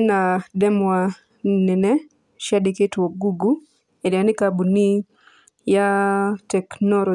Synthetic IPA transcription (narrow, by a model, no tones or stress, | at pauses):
nadɛmwa | nɛnɛ | ʃɛdɪketwoɡuɡu | edɛanɪkabuni | jatɛknɔlo